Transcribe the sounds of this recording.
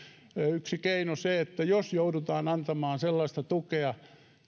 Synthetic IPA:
yksikeinoseet̪ːæjosjoudut̪ɑːnɑnt̪ɑmɑːnselːɑst̪ɑt̪ukeɑ

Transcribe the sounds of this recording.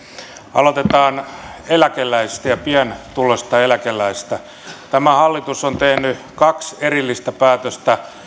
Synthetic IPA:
ɑ̰lot̪et̪ɑːnelækelːˑæisi̥st̪æjɑpiænt̪ulosʲt̪ɑelækelːˑæist̪æ | t̪æmæhɑlːit̪usont̪ehny | kɑkserilːist̪æpæːt̪øst̪æ

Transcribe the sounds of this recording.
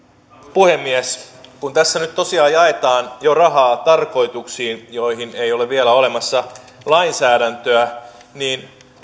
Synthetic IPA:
puhemːieskunt̪æsːænyt̪t̪o̞siɑːjjɑe̞t̪ɑːnjorɑɦɑːt̪ɑrko̞jt̪uksiːnjoiɦinejo̞leʋielæo̞le̞mɑsːɑ | lɑinsæːdænt̪øæ | niːn

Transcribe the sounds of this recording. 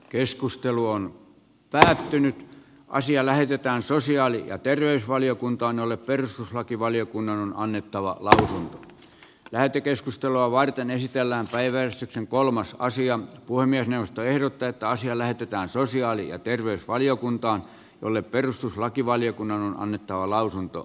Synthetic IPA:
keskust̪eluon | pæːt̪ːynyt̪ | ʔɑ̰siɑlæhet̪et̪æːnsosiɑːlijɑ̰t̪erʋeysʋɑliokunt̪ɑːnjolːepperust̪uslɑkiʋɑlijokunːɑnonɑnːet̪ːɑʋɑ̰lɑusunt̪o̥ | læhet̪ːøkeskust̪eloɑʋɑrt̪enesit̪elːæːmpæiʋæærist̪ykseŋkolmɑsɑ̰siɑpuhemːiæsneuʋːˑost̪oehɾot̪ːɑet̪ːæɑsiɑlæhet̪et̪æːnsosiɑːlijɑ̰t̪erʋeysʋɑlijokunt̪ɑːn | jo̰lːepperust̪uslɑkiʋɑlijokunːɑnonɑ̰nːet̪ːɑʋɑlɑusunt̪o̰

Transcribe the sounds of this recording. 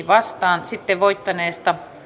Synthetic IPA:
iʋɑst̪ɑːnsit̪ːeʋʋoit̪ːɑneːst̪ɑ

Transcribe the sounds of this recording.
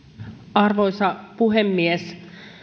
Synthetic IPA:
ɑrʋo̞jsɑpuɦemːies

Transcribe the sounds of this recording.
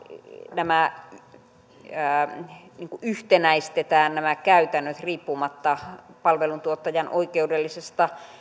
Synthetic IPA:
næmæ | niːŋkuʔyht̪enæist̪et̪æːnnæmækæyt̪ænːøt̪riːpːumɑt̪ːɑpɑlʋelunt̪uot̪ːɑjɑnʔoikeudelːisest̪ɑ

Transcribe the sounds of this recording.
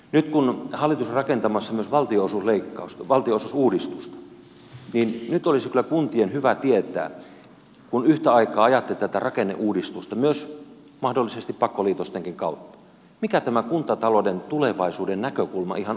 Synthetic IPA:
nyt̪kunhɑlːit̪usrɑkent̪ɑmɑsːɑmyøsʋɑlt̪iosusleikːɑ̰usʋɑlt̪iosusuːdist̪ust̪ɑ̥ | ninnyt̪olisikylːækunt̪ienhyʋæt̪iet̪æ̰ː | kunyht̪æɑikɑːɑjɑt̪ːelʲit̪æt̪ærɑkenːḛʔuːdist̪ust̪ɑmyøs | mɑhdolːisest̪ippɑkːoliːt̪ost̪eŋkiŋkɑut̪ːɑ̥ | mikæt̪æmækunt̪ɑt̪ɑlodent̪uleʋɑisuːdennækøkulmɑ̰ʔihɑn

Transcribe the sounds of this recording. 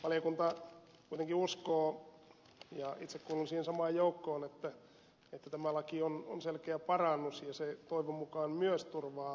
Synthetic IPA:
ʋɑljokunt̪ɑ | kuit̪eŋkiuskoː | jɑit̪sekkuːlusiːhensɑmɑːjjoukːoːnet̪ːæ | et̪ːæt̪æmælɑkiono̰nselkeæpɑrɑnːusjɑset̪oiʋomukɑːnmyøst̪urʋɑː

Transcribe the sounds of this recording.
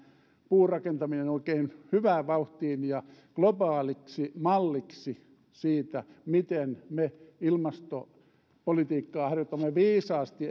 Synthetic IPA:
puːrɑkent̪ɑminenoikeːnhyʋæːʋɑuht̪iːnjɑklobɑːliksimɑlːiksi | siːt̪æmit̪enmeilmɑst̪o | polit̪iːkːɑːhɑrjot̪ːɑmːeʋiːsɑːst̪i

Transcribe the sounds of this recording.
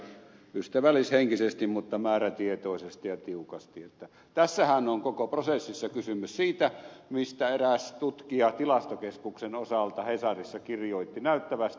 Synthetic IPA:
yst̪æʋælːˑisheŋkisest̪immut̪ːɑmæːræt̪iet̪oˑisest̪ijɑt̪iukɑst̪iet̪ːæ | t̪æsːæhænoŋkokoprosesːisːɑkysymyssiːt̪æmist̪æeræst̪ut̪kiɑt̪ilɑst̪okeskuksenosɑlt̪ɑhesɑrisːɑkirjoˑit̪ːinæˑyt̪ːæʋæst̪

